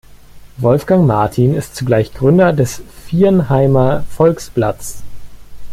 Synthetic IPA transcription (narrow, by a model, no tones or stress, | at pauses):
vɔlfɡ̥aŋmaɐtʰiːnɪstt͡suɡlaɪçɡ̥ʁʏndɐdɛsfiːnɦaɪmɐfɔlksb̥lat͡s